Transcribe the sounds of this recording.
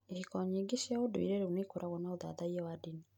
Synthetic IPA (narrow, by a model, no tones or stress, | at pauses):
ehikɔɲiɡiʃjaodoḭɾeɾeunekoɾʔaɣɔnaoða̰ðaiɛwadini